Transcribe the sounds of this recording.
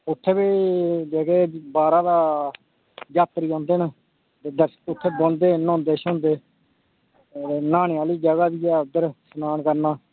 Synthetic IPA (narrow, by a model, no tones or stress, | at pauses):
ʊt̪ʰːeːbeːd͡ʒeːkeːbaːɾaːd̪aː | d͡ʒaːt̪ɾiːɦõːnd̪eːnə | t̪eːd̪əɾsʊt̪ʰːeːbõːnd̪eːnõːnd̪eːʃõːnd̪eː | naːɳeaːliːd͡ʒəɡaːd̪iːɛːəd̪əɾsənaːnkəɾnaː